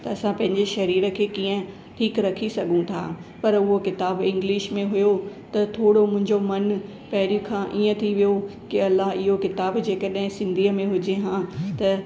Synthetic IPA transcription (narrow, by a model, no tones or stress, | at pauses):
t̪ɐɐsãpɐ̃ɦɪ̃ɲd͡ʑeʃɐɾiːɾə̆kʰeːkĩːə̃ | ʈʰiːkɾɐkʰisɐɡʱũt̪ʰa̰ːpɐɾʊɦokɪt̪aːbɪ̃ŋɡlɪʃmẽɦʊjot̪ɐt̪ʰoːɽomʊ̃ɦɪ̃ɲd͡ʑomɐn | pɐɦɪɾjũkʰãːʔiːə̃t̪ʰiʋijokɪɐlːaɦɪɦokɪt̪aːbd͡ʑeːkəɗɦɪ̃sɪ̃nd̪ʱiːəmẽɦʊd͡ʑeɦãːt̪ɐ